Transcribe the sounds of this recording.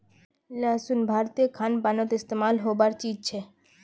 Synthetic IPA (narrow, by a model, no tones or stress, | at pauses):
lasunbʱaɾt̪ekʰanbanot̪est̪emalɦobaɾt͡ɕid͡ʑ̚t͡ɕʰe